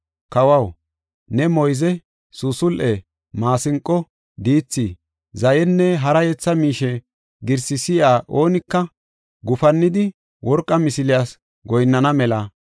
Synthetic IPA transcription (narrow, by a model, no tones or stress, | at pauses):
kɐwɐw | nɛmɔjzɛ | susʊlʔɛ | maːsɪŋkʼːɔ | d̪iːt͡sːi | zɐjɛnːɛɦɐɾɐjɛt͡sːɐmiːʃɛ | ɡɪɾsɪsɪjaːʔo̞ːnɪkːɐ | ɡʊfɐnːɪd̪ɪ | wʔɔɾkʼːɐmɪsɪlɪjaːs | ɡɔjnːɐnɐmɛlɐ